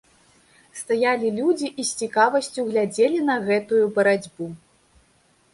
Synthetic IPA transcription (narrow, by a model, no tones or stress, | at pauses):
st̪ajalʲilʲud͡zʲiʔisʲt͡sʲikavɐsʲt͡sʲuɣlʲad͡zʲelʲinɐɣɛt̪ujubɐɾad͡zʲbu